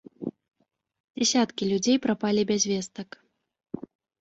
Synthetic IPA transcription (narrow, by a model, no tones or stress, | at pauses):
d͡zʲɛsʲat̪kʲilʲud͡zʲejpɾapalʲibʲazʲvʲɛst̪ɐk